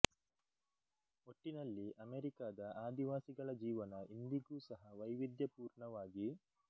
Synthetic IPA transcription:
oʈːinɐlːiʔɐmeːɾikaːd̪ɐʔaːd̪iʋaːsiɡɐɭɐd͡ʒiːʋɐnɐʔind̪iɡuːsɐɦɐʋɐjʋid̪jɐpuːɾɳɐʋaːɡi

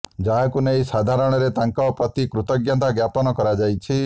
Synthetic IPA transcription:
d͡ʒaɦakunejsad̪ʱaɾɔɽ̃ɔɾet̪aŋkɔpɾɔt̪ikɾut̪ɔɡjant̪aɡjapɔnɔkɔɾad͡ʒajt͡ʃʰi

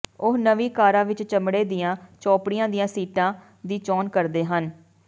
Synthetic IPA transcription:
ʊɦnəʋiːkaːɾãːʋɪt͡ʃt͡ʃəmɽeːd̪ɪjãːt͡ʃɔːpɽɪjãːd̪ɪjãːsiːʈãː | d̪iːt͡ʃɔːnkəɾd̪eːɦən

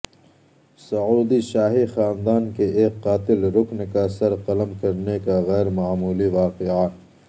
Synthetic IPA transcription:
sɐuːd̪iʃaːɦixaːnd̪aːnkeʔeːkːaːt̪ɪlɾʊknkasɐɾqɐləmkɐɾnekaɣɛːɾmaːmuːliʋaːqɪa

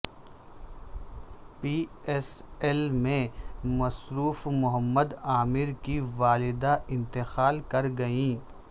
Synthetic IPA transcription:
piːɛsɛlmẽmɐsɾuːfmʊɦəmːəd̪aːmɪɾkiʋaːlɪd̪aʔɪ̃nt̪ɪxaːlkɐɾɡɐĩː

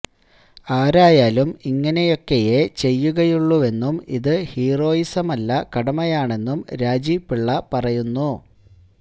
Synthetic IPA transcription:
aːɾaːjaːlumiŋːɐne̞jo̞kːe̞jet͡ɕe̞jːuɣɐjuɭːuʋe̞nːumiðɨhiːro̞ːjisɐmɐlːɐkɐɽɐmɐjaːɳe̞nːumɾaːd͡ʑiːpːiɭːɐpɐrɐjunːu

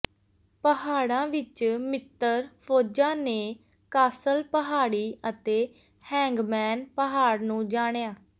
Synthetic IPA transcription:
pəɦaːɽãːʋɪt͡ʃmɪt̪ːəɾpʰoːd͡ʒãːneː | kaːsəlpəɦaːɽiːət̪eː | hɛ̃ːŋɡmɛːnpəɦaːɽnũːd͡ʒaːɳjaː

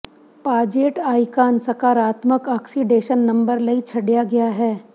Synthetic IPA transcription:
paːd͡ʒeːʈaːikaːnsɐkaːɾaːt̪məkaːksiɖeːʃənːɐ̃mbəɾlɐit͡ʃʰɐɽijaɡɐjaɦɛː

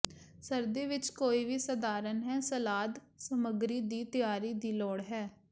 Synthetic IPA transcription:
səɾd̪eːʋɪt͡ʃkoːiːʋiːsəd̪aːɾənɦɛːsəlaːd̪ | səməɡɾiːd̪iːt̪ɪjaːɾiːd̪iːlɔːɽɦɛː

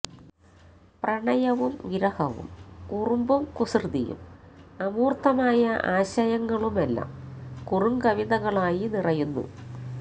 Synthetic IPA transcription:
prɐɳɐjɐʋumʋiɾɐhɐʋṵmkurumbumkusrɨd̪ijṵmɐmuːrt̪ʰːɐmaːjɐʔaːɕɐjɐŋːɐɭumelːa̰ːmkurumɡɐʋiðɐɣɐɭaːjinirɐjunːṵ

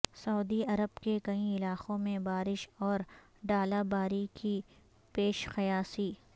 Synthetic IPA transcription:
sɐʊːd̪iɐɾəbkekɐĩɪlaːqõmẽbaːɾɪʃɔːɾ | ɖaːlabaːɾikʰi | peːʃqɐjaːsiː

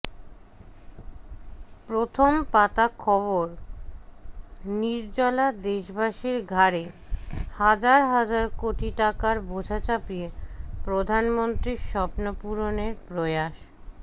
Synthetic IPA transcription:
pɾot̪ʰompat̪akʰɔβoɾ | niɾd͡ʑɔlad̪eʃbʱaʃiɾɡʱaɾe | had͡ʑaɾɦad͡ʑaɾkoʈiʈakaɾbod͡ʑʱat͡ɕapiepɾod̪ʱanmont̪ɾiɾʃɔpnopuɾoneɾpɾojaʃ

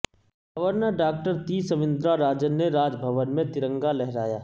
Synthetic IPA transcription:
ɡʱɐʋəɾnəɾɖaːk̚ʈəɾt̪iːsəʋɪ̃nd̪ɾaɾaːd͡ʒənːeɾaːd͡ʒbʱəʋənmẽt̪ɪɾə̃ŋɡalɛɦɾaːjaː

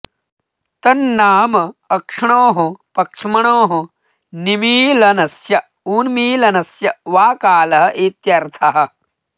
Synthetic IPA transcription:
t̪ɐnːaːmɐɐkʂɐɳoːɦɐpɐkʂmɐɳoːɦu | nimiːlɐnɐsjɐ | uːnmiːlɐnɐsjɐʋaːkaːlɐɦɐʔet̪jɐɾt̪ʰɐɦɐ̆

